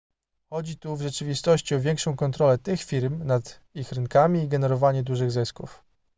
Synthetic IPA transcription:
xɔd͡ʑit̪uvʐɛt͡ʂɘvʲist̪ɔɕt͡ɕiɔvʲjɛŋkʂɔ̃w̃kɔnt̪ɾɔlɛt̪ɘxfʲiɾmnad̪ | ixɾɘŋkamʲiːɡɛnɛɾɔvaɲɛd̪uʐɘɣzɘskṵf

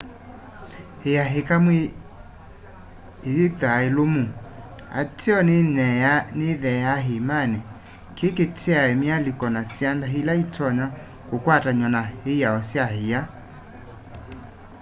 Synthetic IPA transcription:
hejaɦekamwe | itaelomu | a̰tʰiɔnnɛneðɛjaɦimanɛ | kʰeketʰeaɛmialikɔnasiandaɦilaitʰɔɲa | kokwataɲɔnaheiaɔsjahija

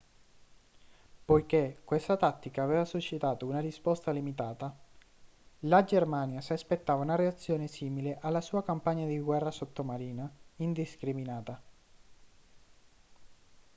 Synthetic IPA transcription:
pojkekwest̪at̪at̪ːikaːveːvasuʃːit̪aːt̪ounarispɔst̪alimit̪aːt̪a | lad͡ʒermaːnjasiaspet̪ːaːvaunareat̪sːjoːnesiːmileʔalːasuːakampaɲːad̪iɡwɛrːasot̪ːomaɾiːnaind̪iskɾiminaːt̪a

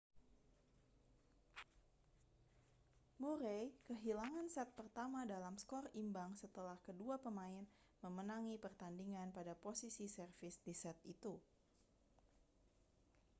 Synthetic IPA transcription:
moɾejkəɦilaŋansɛt̪̚pərt̪amadalamskɔrimbaŋsət̪əlahkəduapəmaɪn | məmənaŋipərt̪andiŋanpadaposisisərfɪsdisɛt̪̚it̪u

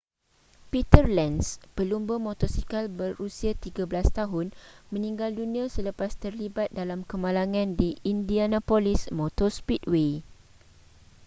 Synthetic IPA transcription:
pit̪ərlɛnspəlumbəmɔ̃t̪ɔsikalbərːusiat̪iɡablast̪aɦʊnmə̃nĩŋɡaldunĩãsələpast̪ərlibat̪̚dalamkəmãlaŋãndiindianãpolismɔt̪ɔspit̚we

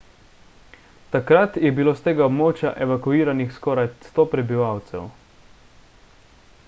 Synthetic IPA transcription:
t̪akɾat̪jɛbiloːst̪eːɡaɔbmoːt͡ʃja̰ʔɛʋakuiːɾanixskɔːɾajst̪oːpɾɛbiʋawt̪sɛ̰w

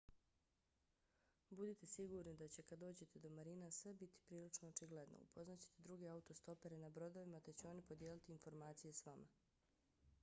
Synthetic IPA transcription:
bud̪it̪e̞siɡuɾnid̪at͡ɕe̞kad̪d̪ːo̞ːd͡ʑe̞t̪ʰe̞d̪o̞maɾinasʋe̞bit̪i̥pɾiːlit͡ʃnoot͡ʃiɡle̞d̪no̰ṵpʰo̞znat͡ɕe̥t̪e̞d̪ɾuɡe̞aut̪o̞st̪o̞pe̞ɾenabɾo̞d̪o̞ʋimat̪e̞t͡ɕuo̞nipo̞d̪jeːlit̪iːnfo̞ɾmaːt̪sije̞sʋama̰

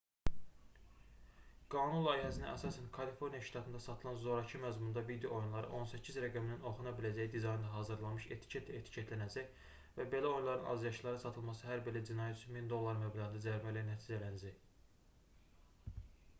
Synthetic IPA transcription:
ɡ̥ɑːnunlˠɑjɦæsininʔæsɑːsænkʰɑlifo̞ɾnijɑʃt̪ʰɑt̪ɯnd̪ɑsɑt̪ʰɯlˠɑnzo̞ɾɑcʰɯmæzmund̪ɑbid̪iʔo̞junlˠɑɾɯ̰ʔo̞nsæcʰizɾæɡæminino̞χunɑbilæd͡ʒæjid̪izɑjind̪ɑɦɑːzɯɾlˠɑnmɯʃḛt̪ʰi̥cʰet̪et̪ʰi̥cʰet̪ʰlænæd͡ʒæj | væbe̞læo̞junlˠɑɾɯnʔɑ̰zjɑʃlˠɑɾɯsɑt̪ʰɯlˠmɑsɯɦæɾbelæd͡ʒinɑjæt̪t͡ʃʰumind̪o̞lˠːɑɾmæblæʁɯnd̪ɑd͡ʒæɾmælænæt̪ʰid͡ʒælænæd͡ʒæj

